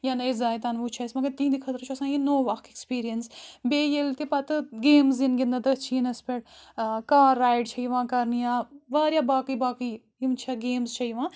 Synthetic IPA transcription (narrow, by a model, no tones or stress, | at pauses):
janezaːjt̪anʋuːt͡ʃʰɐsmɐɡɐɾt̪ĩːd̪ikʰɐt̪ɾt͡ʃʰuɐsãːjinoːʋɐkekspiːɾijənsbeːjelt̪ipɐt̪ɨɡeːmzinɡʲind̪ɐd̪ɐt͡ʃʰiːnɐspʲeʈkaːɾːaːjɖ̚t͡ʃʰɐiʋãːkɐɾnijaːʋaːɾjaːbaːkibaːki | imt͡ʃʰaɡeːmzt͡ʃʰɐiʋãː